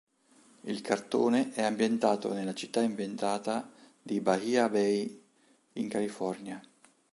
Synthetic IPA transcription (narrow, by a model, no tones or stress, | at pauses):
ilkʰart̪oːneʔɛambjent̪aːt̪o̰nelat͡ʃi̥t̪ːaimbjent̪aːt̪a | d̪ibahiabɛj | iŋkalifɔrnja